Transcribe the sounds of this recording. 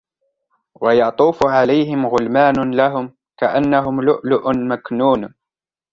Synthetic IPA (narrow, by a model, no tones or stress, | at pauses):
wɑjɑt̪ˤuːfʕalajɦɪmɣʊlmaːnʊlaɦʊm | kaʔanːaɦʊmlʊʔlʊʔʊnmaknuːn